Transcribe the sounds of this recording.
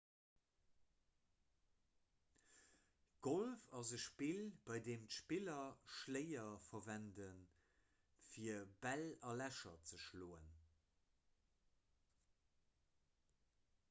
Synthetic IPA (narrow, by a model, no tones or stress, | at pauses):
ɡ̥olfɑzəʃpilb̥ɑɪdeːmtʃpilɐʃləɪɐfɐvændən | fiːɐəbælɑlæʃɐt͡səʃloːən